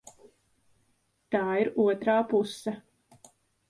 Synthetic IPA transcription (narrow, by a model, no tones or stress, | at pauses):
t̪aːiɾuɔt̪ɾaːpusːɐ